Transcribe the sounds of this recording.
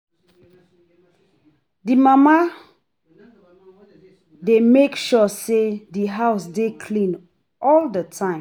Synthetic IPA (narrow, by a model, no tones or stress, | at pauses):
dimama | demekʃɔsediɦaʊsdekʰlĩn | ʔɔldətʰãɪ̃